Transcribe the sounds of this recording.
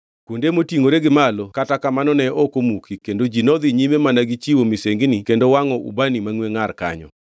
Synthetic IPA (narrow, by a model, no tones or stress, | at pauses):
kundemotiŋoɾeɡɪmalɔkatakamanɔnɛɔkomukʰikendod͡ʒinɔd̪iɲimemanaɡɪt͡ʃiwomiseŋɡnikendowaŋɔṵbanimaŋweŋarka̰ɲɔ̰